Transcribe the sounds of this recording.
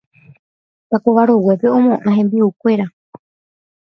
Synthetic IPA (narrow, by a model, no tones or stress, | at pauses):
t̪akoʋaɾo̞we̞pe̞õ̞mõʔãɦẽ̞mbiukʷe̞ɾa